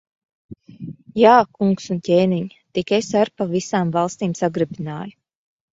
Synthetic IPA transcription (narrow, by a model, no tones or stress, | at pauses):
jaːkuŋksuncʲeːniɲ | t̪ikesaɾpavisaːmvɑlˠst̪iːmsaɡɾɨbina̰ːju